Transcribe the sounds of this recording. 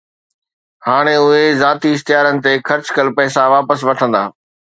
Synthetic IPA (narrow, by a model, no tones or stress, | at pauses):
haːɽ̃eʊɦezaːt̪iɪxt̪ɪjaːɾənɪ̆t̪exʰɐɾt͡ɕkəlpɛːsaʋaːpəsʋɐʈʰə̃nd̪a̰ː